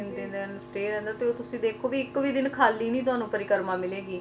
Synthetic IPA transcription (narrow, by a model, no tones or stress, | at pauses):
nd̪ɪnd̪ɛnsʈeːɾɛ̃ːnd̪aːt̪eːoːt̪ʊsĩːd̪eːkʰoːʋiːɪkʋiːd̪ɪnkʰaːlːiːnĩːt̪ʊɦaːnũːpəɾɪkəɾmãːmɪleːɡiː